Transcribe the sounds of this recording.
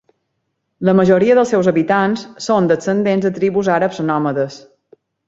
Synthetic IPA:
ləməʒoɾiəðəlˠsɛwzəβit̪ansːond̪əsənd̪enzðət̪ɾiβuzaɾəpzənɔməðəs

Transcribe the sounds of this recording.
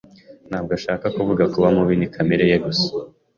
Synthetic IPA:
n̥haːb̚ɡaʃaːkakuvuɡakuβamuβiːnikʰameɾejeɡusu

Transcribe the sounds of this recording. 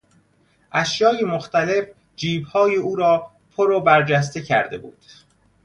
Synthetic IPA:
ʔæʃjɒːjemoxt̪æle̞f | d͡ʒiːbhɒːjeuːɾɒː | pʰoɾobæɾd͡ʒæs̬t̪e̞cʰæ̰ɾd̪e̞̰bṵːd̪̥

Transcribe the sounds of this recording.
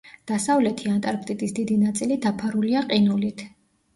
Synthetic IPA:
d̪̥asavlɛt̪ʰiant̪ʼaɾpʰʼt̪ʼit̪ʼisd̪̥id̪inat̪sʼilid̪apʰaɾuliaqʼinulit̪ʰ

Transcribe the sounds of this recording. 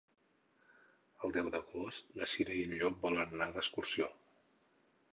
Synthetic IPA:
əlˠd̪ɛwd̪əɣost̪ləʃinəinuʎɔk̚bɔlənnaðəskursio

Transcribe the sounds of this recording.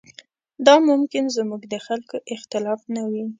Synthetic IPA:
d̪ɑmʊmkɪnzmuɡd̪əxalkoʔɪxt̪ɪlɑfnawi

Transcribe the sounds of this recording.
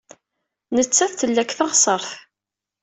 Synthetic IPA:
nət͡sːæθθəlːækːθɑʁsˤəɾˤθ

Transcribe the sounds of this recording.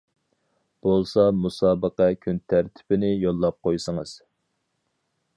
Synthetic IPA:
b̥olˠsɑmusɑːbəqɛkʲʰynt̪ʰæɾt̪ʰɪ̥pɪnɪjolˠːɑp̚qojsəŋəz̥

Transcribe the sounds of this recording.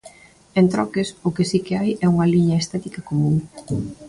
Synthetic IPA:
ent̪ɾɔkɪsʊkɪsikɪajɛuŋɐliɲɐest̪ɛt̪ikɐkomũŋ

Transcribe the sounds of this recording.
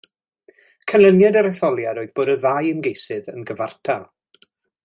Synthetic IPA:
kʰəlˠənjadaɾɛθɔlˠjadoːɨðboːdəðaːjənɡejsɨðənɡəvartʰalˠ

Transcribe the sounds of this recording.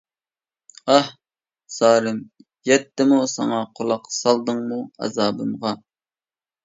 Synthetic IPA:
ɑh | sɑːɾɨm | jɛt̪ːɪmusɑ̰ŋɑqʰolˠɑqːsɑlˠd̪ɨŋmuɑ̰zɑːbɨmʁɑ

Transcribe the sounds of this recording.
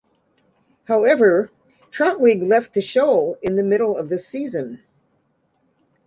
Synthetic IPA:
haʊɛvə˞ | tʰɹ̥ɑ̃nwiɡlɛft̪̚ðɨʃoʊlˠɪ̃nðɨmɪɾl̩ˠʌvðɨsizɨ̃n

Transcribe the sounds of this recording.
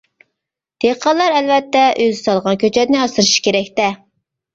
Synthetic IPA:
d̪̥eqʰɑlˠːɑɾɛlvɛt̪ːɛʔøzsɑlˠʁɑnkʲʰøt͡ʃʰɛt̪nɪɑsɨɾɨʃi̥kʲeɾɛkʲt̪ɛ

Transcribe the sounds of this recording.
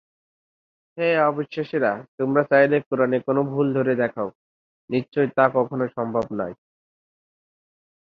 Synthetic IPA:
ɦeɔbiʃːaʃeɾat̪omɾat͡ɕajlekuɾanekonobʱuld̪ʱoɾed̪ɛkʰao | nit͡ɕːɕojt̪akɔkʰonoʃɔmbʱobnaj

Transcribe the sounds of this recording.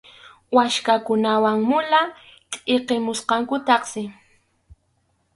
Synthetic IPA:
waʃkakʊnawaŋmʊla | tʼeqemʊsqɑŋkʊt̪ɑχsɪ

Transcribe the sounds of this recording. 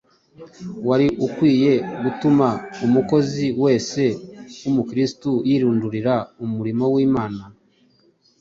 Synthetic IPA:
waɾiʔukwiːje̞ɡutumaumuko̞ziwe̞ːse̞umukɾistujiːɾuːnduɾiɾaumuɾimo̞wiːmaːna

